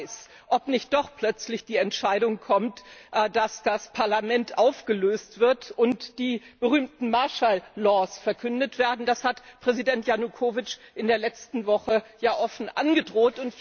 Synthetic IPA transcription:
s | ʔɔpnɪçt̚d̥ɔχpl̥œt͡slɪçd̥iːɛntʃaɪɾʊŋkʰɔmtd̥asd̥aspʰaɐlamɛntʔaʊfɡ̥əløːstv̥ɪɐtʊntd̥iːb̥əʁ̞yːmtn̩maɐʃalːɔːsfɛɐkʰʏndətv̥eːɐdn̩d̥ashatpʁ̥ɛzidɛntjanukʰoːvɪt͡ʃʔɪndeːɐlɛt͡stn̩vɔχəjaːʔɔfn̩ʔa̰nɡədʁoːtʊnt

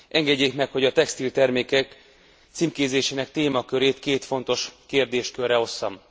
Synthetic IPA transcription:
ʔɛŋɡɛɟːeːkmɛkho̞ɟɒt̪ɛkst̪ilt̪ɛrmeːkɛk | t̪simkeːzeːʃeːnɛk̚t̪eːmɒkø̞ɾeːt̪keːt̪fo̞nt̪o̞ʃkeːrd̪eːʃkørːɛo̞sːɒm

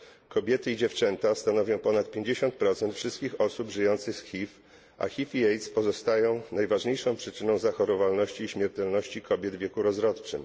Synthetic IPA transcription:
kɔbʲjɛt̪ɘid͡ʑɛft͡ʂɛnt̪ast̪anɔvʲjɔ̃w̃pɔnat̪̚pʲjeɲd͡ʑeɕɔnt̪̚pɾɔt̪sɛnt̪fʂɘst̪kʲixɔsubʐɘjɔnt̪sɘxsxʲif | ʔa̰xʲifiɛjt̪spɔzɔst̪ajɔ̃w̃najvaʐɲejʂɔ̃w̃pʂɘt͡ʂɘnɔ̃w̃zaxɔɾɔvalnɔɕt͡ɕiːɕmʲjɛɾt̪ɛlnɔɕt͡ɕikʰɔbʲjɛd̪vʲjɛkuɾɔzɾɔt̪t͡ʂɘm

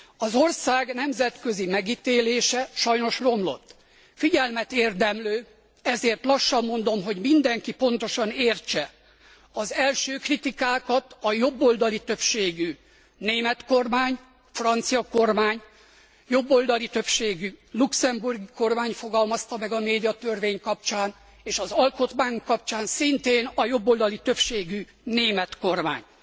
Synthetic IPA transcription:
ɒzo̞rsaːɡnɛmzɛt̪kø̞zimɛɡit̪eːleːʃɛʃɒjno̞ʃro̞mlo̞̰t̪ː | fiɟɛlmɛt̪eːrd̪ɛmløː | ɛzeːrt̪lɒʃːɒmːo̞nd̪o̞mɦo̞ɟmind̪ɛŋkipo̞nt̪o̞ʃɒneːrt͡ʃɛ | ɒzɛlʃøːkrit̪ikaːkɒt̪ɒjo̞bːold̪ɒlit̪ø̞pʃeːɡy | neːmɛt̪ko̞rmaːɲ | frɒnt̪sijɒko̞rmaːɲ | jo̞bːo̞ld̪ɒlit̪ø̞pʃeːɡyluksɛmburɡiko̞rmaːɲfo̞ɡɒlmɒst̪ɒmɛɡɒmeːd̪ijɒt̪ørveːɲkɒp̚t͡ʃaːn | eːʃɒzɒlko̞t̪maːjuŋkːɒp̚t͡ʃaːnsint̪eːnɒjo̞bːo̞ːld̪ɒlit̪ø̞pʃeːɡy | neːmɛt̪ko̞rma̰ːɲ

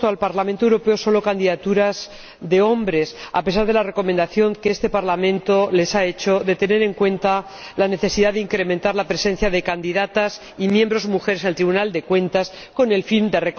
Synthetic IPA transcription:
t̪oalpaɾlament̪owɾo̞pe̞o̞so̞lo̞kand̪iðat̪uɾaz | ðe̞o̞mbɾe̞sa̰pe̞saɾð̞e̞lare̞ko̞mend̪aθjo̞ŋkeest̪e̞paɾlamẽ̞nt̪ole̞sae̞t͡ʃo̞ðe̞t̪e̞ne̞ɾe̞ŋkwẽ̞nt̪a | lane̞θe̞siðaðeiŋkɾe̞mẽnt̪aɾlapɾe̞se̞n̟θjaðe̞kand̪iðat̪as | imjẽ̞mbɾo̞zmuxeɾeselt̪ɾiβunald̪e̞kwẽ̞nt̪as | ko̞ne̞lfind̪e̞rek

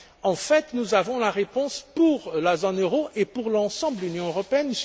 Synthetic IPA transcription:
ɑ̃fɛt̪nuzavɔ̃laʁepɔ̃spuʁlazonøʁoʔepuʁlɑ̃sɑ̃blynjɔ̃øʁɔpeɛn

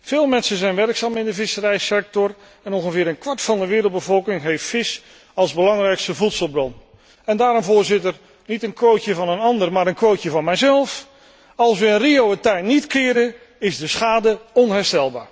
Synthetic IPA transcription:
v̥ɪːlˠmɛnsənzɛjnʋɛrksaːmɪndəvɪsəɾɛjsɛk̚tɔr | ɛnɔnχəvɪːɾənkʋɑɹtfɑndəʋɪːɾəlˠd̚bəvɔlˠkɪŋɦejftfɪs | ɑlˠzbəlɑŋrɛjkstəvutsəlˠbrɔn | ɛndaːɾɔmvʊːɹzɪtər | nitənkʋowcəvɑnənɑndəɹmaːɾənkʋowəvɑnmɛjzɛlˠf | ɑlˠsʋəənriowətɛjnːitkɪːɾə | ɪzdəsχaːdəɔnɦɛɹstɛlˠba̰ːɹ

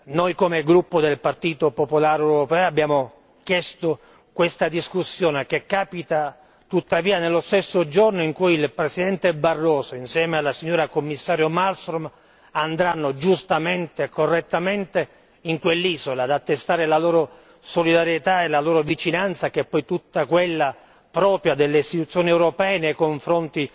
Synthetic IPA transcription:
nojkomeɡɾupːod̪elpart̪iːt̪opopolaːɾewɾopɛːoabːjaːmo | kjɛst̪o | kwest̪ad̪iskusːjoːnekekːaːpit̪a | t̪ut̪ːaviːanelːost̪esːod͡ʒornoiŋkujilpɾesid̪ɛnt̪ebarːɔːsoinsjɛːmealːasiɲːoːɾakomːisːaːɾjomalst̪ɾom | and̪ɾanːod͡ʒust̪ament̪ekorːet̪ːament̪e | iŋkwelːiːzolad̪at̪ːest̪aːɾelaloːɾo | solid̪aɾjet̪aelaloːɾovit͡ʃinant̪sakɛpːɔjt̪ut̪ːakwelːa | pɾɔːpɾjad̪elːeist̪it̪ut̪sːjoːniɛwɾopɛːenejkoɱfɾont̪i

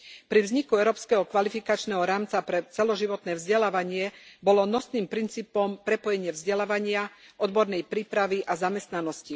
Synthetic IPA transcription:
pɾivzɲikuɛʊɾɔːpskɛɦɔkʋalifikat͡ʃnɛɦɔɾaːmt͡sapɾɛt͡sɛlɔʒiʋɔt̪nɛːvzɟɛlaːʋaɲɪɛbɔlɔnɔsniːmpɾint͡siːpɔmpɾɛpɔjɛɲɪɛvzɟɛlaːʋaɲɪa | ʔɔd̪bɔɾnɛjpɾiːpɾaʋiʔazamɛst̪nanɔsci

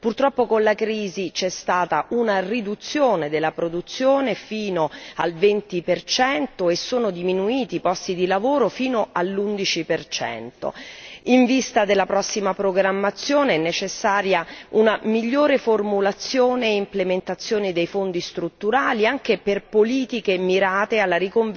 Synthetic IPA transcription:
purt̪ɾɔpːokonlakɾiːzit͡ʃɛst̪aːt̪aʔunarid̪ut̪sːjoːned̪elːapɾod̪ut̪sːjoːnefiːnoalvɛnt̪ipert͡ʃɛnt̪oesːoːnod̪iminuiːt̪ipɔst̪id̪ilavoːɾofiːnoalːund̪it͡ʃipert͡ʃɛ̰nt̪o̰iɱvist̪ad̪elːapɾɔsːimapɾoɡɾamːat̪sːjoːneɛnːet͡ʃesːaːɾjaunamiʎːoːɾeformulat̪sːjoːneimplement̪at̪sːjoːnid̪ejfond̪ist̪ɾut̪ːuɾaːliaŋk̟eperpoliːt̪ikemiɾaːt̪ealːaɾikoɱ

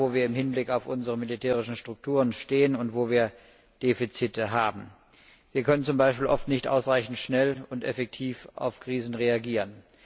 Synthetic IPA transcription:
oːviːɐɪmɦɪnblɪkaʊfʔʊnzəʁəmilitʰɛːʁɪʃn̩ʃtʁ̥ʊk̚tʰuːʁənʃteːənʊntv̥oːviːɐ | d̥eːfit͡sitəɦaːbm̩ | viːɐkʰœnənt͡sʊmbaɪʃpiːlʔɔftnɪçtʔa̰ʊsʁaɪçn̩tʃnɛlʊntɛfɛk̚tʰiːfʔa̰ʊfkʁ̥iːzn̩ʁeaɡiːʁən

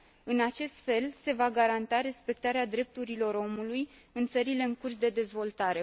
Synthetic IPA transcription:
ɨnat͡ʃe̞st̪fe̞lse̞vaɡaɾant̪aɾe̞spe̞k̚t̪aɾead̪ɾe̞p̚t̪uɾilo̞ɾo̞muluj | ɨnt̪səɾile̞ɨŋkurs̬d̪e̞d̪e̞zvo̞lt̪aɾe̞

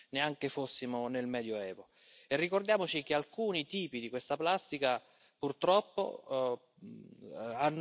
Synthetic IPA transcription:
neaŋkefosːimonelmɛːd̪joɛːvo | erːikord̪jaːmot͡ʃik̟ealkuːnit̪iːpid̪ikwest̪aplast̪ika | purt̪ɾɔpːo̰ | anː

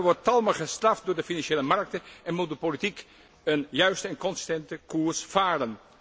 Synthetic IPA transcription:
ʋɔɹttɑlˠməχəstrɑft̚dʊːɹdəfinɑnʃeːləmɑrk̚təɛnmut̚dəpolitik | ənjœɥstəɛnkɔnsɪ̥stɛntəkuːɹsfaːrən

